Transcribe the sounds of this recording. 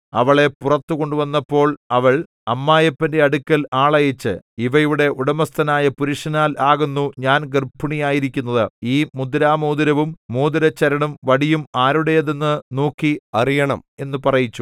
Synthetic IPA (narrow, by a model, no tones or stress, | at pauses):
ɐʋɐɭe̞purɐt̪ːuko̞ɳɖuʋɐnːɐpːo̞ːɭɐʋɐɭ | ɐmːaːjɐpːɐnde̞ɐɽukʲːɐlaːɭɐjɐt͡ɕːɨ̰iʋɐjuɽe̞ʔuɽɐmɐst̪ʰɐnaːjɐpuɾuʂɐnaːlaːɣunːuɲaːnɡɐrpʰːuɳijaːjiɾikʲːunːɐðɨiːmud̪ɾaːmuːd̪ɐɾɐʋumːuːd̪ɐɾɐt͡ɕːɐɾɐɳumʋɐɽijumaːɾuɽe̞jɐðenːɨnoːkːiɐrijɐɳɐme̞nːupɐrɐjit͡ɕːu